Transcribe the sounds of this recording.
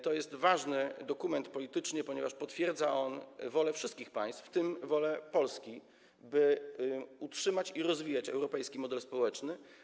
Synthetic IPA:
t̪ɔjɛst̪vaʐnɘd̪ɔkumɛnt̪pɔlʲit̪ɘt͡ʂɲɘpɔɲɛvaʂpɔt̪fʲjɛɾd̪zaʔɔnvɔlɛfʂɘst̪̚kʲixpaj̃st̪ft̪ɘmvɔlɛpɔlskʲi | bɘ | utʂɘmat͡ɕiɾɔzvʲijat͡ɕɛ̰wɾɔpɛjskʲimɔd̪ɛlspɔwɛt͡ʂnɘ

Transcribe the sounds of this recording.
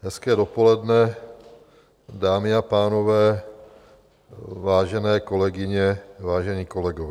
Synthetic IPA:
ɦɛskɛːdopolɛdnɛ | daːmɪapaːno̞vɛː | vaːʒɛnɛːkolɛɡɪɲɛvaːʒɛɲiːkolɛɡovɛ

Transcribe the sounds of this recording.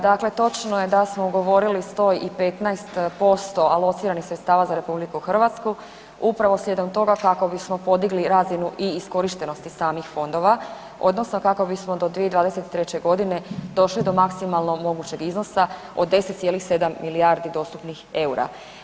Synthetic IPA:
d̪akle̞t̪o̞t͡ʃnoje̞d̪asmouɡo̞ʋo̞ɾilist̪o̞ːjipe̞t̪naest̪po̞st̪o̞alˠo̞t̪siːɾanixsɾet̪st̪aːʋazaɾe̞publikuxr̩ʋat̪sku | upɾaʋo̞slʎʲe̞d̪o̞mt̪o̞ɡakako̞bismo̞po̞d̪iɡliɾaːzinuʔiːsko̞ɾiʃt̪e̞no̞st̪isaːmixfo̞nd̪o̞ʋa | o̞̰d̪no̞sno̞kako̞bismo̞d̪o̞d̪ʋied̪ʋaːd̪e̞se̞t̪i̥t̪ɾet͡ɕe̞ɡo̞d̪ine̞d̪o̞ʃlid̪o̞maksimalˠno̞mo̞ɡut͡ɕe̞ɡizno̞sa | o̞̰d̪ːe̞set̪sje̞lixse̞d̪amːiliaɾd̪id̪o̞ːst̪upnixe̞uɾa̰

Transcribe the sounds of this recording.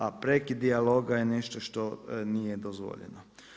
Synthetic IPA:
apɾekid̪ialoɡajeneʃt̪oʃt̪o̞nijed̪ozʋo̰ʎḛno

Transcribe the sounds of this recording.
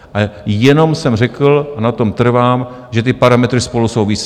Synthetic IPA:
ʔajɛno̞msɛmrɛkl̩ʔanat̪o̞mt̪r̩vaːm | ʒɛt̪ɪpaɾamɛt̪ɾɪspo̞lusowvis

